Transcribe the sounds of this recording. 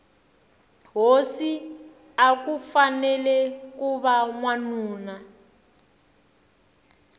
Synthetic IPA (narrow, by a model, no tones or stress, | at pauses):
ɦosi | akufanɛlɛkuβamwanuːna